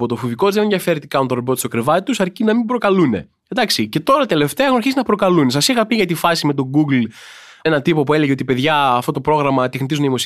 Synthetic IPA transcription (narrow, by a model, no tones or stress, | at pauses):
pot̪ofuviko̞zðeneðjɐfe̞ɾit̪ikɐnoɾobot̪isokɾevɐt̪it̪usɐɾcinɐmimbɾo̞kɐlune̞̰ | ed̪ɐksice̞t̪o̞ɾɐt̪ele̞ft̪eɐexunɐɾçisinɐpɾo̞kɐlune̞s̬ɐsixɐpiʝɐt̪ifɐsime̞t̪̬o̞ɡuɡl | enɐt̪ipo̞pue̞le̞ʝeot̪ipe̞ðʝɐːft̪o̞t̪o̞pɾo̞ɣɾɐmɐt̪exnit̪izuneðimos